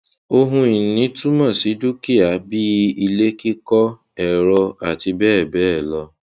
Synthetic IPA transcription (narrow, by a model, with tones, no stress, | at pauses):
o˧ɦũ˧i˨nĩ˨˦tu˦mã˦˨si˨˦du˦ki˦a˨˦bi˦i˧le˦ki˦kɔ˦ | ɛ˨ɾɔ˧a˨ti˧bɛː˦˨bɛ˦ɛ˦˨lɔ˧